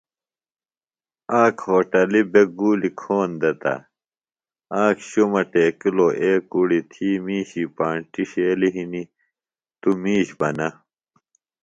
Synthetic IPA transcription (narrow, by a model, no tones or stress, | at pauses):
aːkhoːʈɐlibeɡuːlikʰoːnd̪ɐt̪ɐ̰ | aːkɕomɐʈeːkiloʔeːkuɽit̪ʰiːmiːɕipaːɳʈiɕeːliɦini | t̪umiːɕbɐnɐ